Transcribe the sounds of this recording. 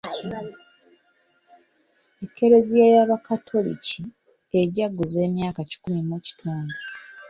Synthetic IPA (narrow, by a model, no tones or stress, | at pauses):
ekːe̞ɾe̞zijajaβakʰatʰo̞lḭci | eɟaɡːuze̞ːmjaːkaci̥kumimuci̥tʰuːnɡu